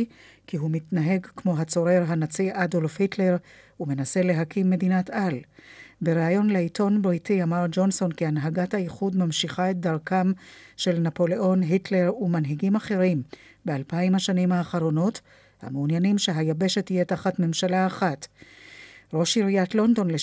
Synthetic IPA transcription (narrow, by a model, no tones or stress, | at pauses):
kiɦumitnaɦe̞ɡkmo̞ɦat͡so̞ʁeʁɦanat͡siʔadolfhitle̞ʁ | ume̞nase̞le̞ɦakimːe̞dinatalbe̞ʁeajo̞nleitʰonbʁitiamaʁd͡ʒo̞nso̞nkianɦaɡathaiχudmamʃiχaet̚d̪aʁkamʃe̞lnapo̞le̞ʔo̞nɦitle̞ʁumanɦiɡimaχe̞ʁim | be̞alpaimhaʃanimhaːχaʁo̞no̞t | ha̰meunjanimʃe̞ɦajabe̞ʃethijetaχatme̞mʃalaːχat | ʁo̞ʃiʁijatlo̞ndo̞nle